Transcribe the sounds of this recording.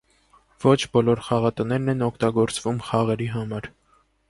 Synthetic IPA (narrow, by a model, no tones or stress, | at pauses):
v̥ɔt͡ʃʰbɔlɔɾχɑʁɑt̪ənɛɾnɛnɔkʰt̪ɑɡɔɾt͡svumχɑʁɛɾiɦɑmɑɾ